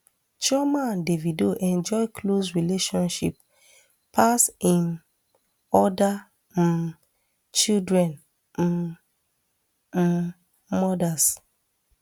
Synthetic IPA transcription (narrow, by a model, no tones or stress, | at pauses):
t͡ʃɔmãndevidoʔɛ̃nd͡ʒɔɪklos̬ɹileʃɔ̃nʃḭp | pʰasĩn | ɔda | t͡ʃildɹɛ̃n̩ | mɔdas